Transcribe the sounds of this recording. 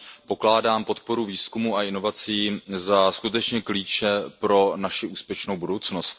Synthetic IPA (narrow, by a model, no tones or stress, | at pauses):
po̞klaːdaːmpo̞t̪po̞ɾuviːskumuːaɪno̞vat͡siːzaskut̪ɛt͡ʃɲɛkliːt͡ʃɛpɾo̞naʃɪʔuːspjɛʃnowbudo̞wt͡sno̞st̪̚